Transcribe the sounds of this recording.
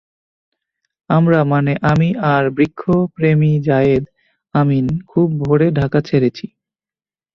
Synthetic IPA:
amɾamaneʔamiʔaɾbɾikʰːopɾemid͡ʑajed̪ | aminkʰub̚ːʱoɽeɖʱakat͡ɕʰeɾet͡ɕʰi

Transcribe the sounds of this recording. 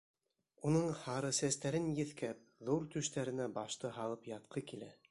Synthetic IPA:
unɤɴhɑɾɤsæst̪æɾɘnjɘ̆θkæp̚ðuɾt̪ɵ̆ʃt̪æɾɘ̆næbɑʃt̪ɤɦɑlˠɤpjɑt̪̚qʰɤkilæ

